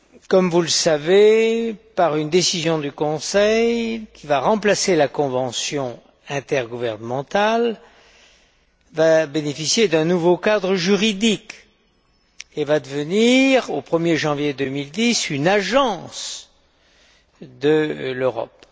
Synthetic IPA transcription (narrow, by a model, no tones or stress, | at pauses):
kɔmvuləsavepaʁynd̪esizjɔ̃d̪ykɔ̃sɛjkʲʰivaʁɑ̃plaselakɔ̃vɑ̃sjɔ̃ | ɛ̃t̪ɛʁɡuvɛʁnəmɑ̃t̪al | vabenefisjed̪ɛ̃nuvokad̪ʁəʒyʁid̪ik | evad̪əvəniʁopχəmjeʒɑ̃vjed̪ømild̪isynaʒɑ̃s | d̪əløʁɔ̰p